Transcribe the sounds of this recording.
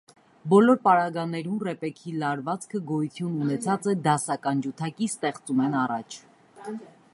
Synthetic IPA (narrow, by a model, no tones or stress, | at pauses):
bɔlɔɾpɑɾɑɡɑnɛɾumrɛpɛkʰilɑɾvɑt͡skʰəɡɔjut̪ʰjununɛt͡sʰɑt͡sɛd̪ɑsɑkɑnd͡ʒut̪ʰɑkist̪ɛχt͡sumɛnɑrɑt͡ʃʰ